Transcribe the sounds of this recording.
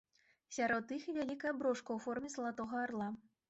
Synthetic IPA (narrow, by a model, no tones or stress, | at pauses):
sʲaɾɔt̪ːixivʲalʲikɐjɐbɾɔʂkɐwfɔrmʲɛzɐlˠat̪ɔɣɐːrlˠa